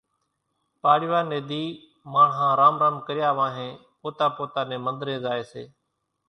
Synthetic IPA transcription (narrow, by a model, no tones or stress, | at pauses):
paːɽɪʋaːneːd̪iː | mãːɦãːɾaːmɾəmkəɾɪjaːʋãːɦẽːpoːt̪aːpoːt̪aːnẽːmənd̪ɾẽːzaːeːsḛː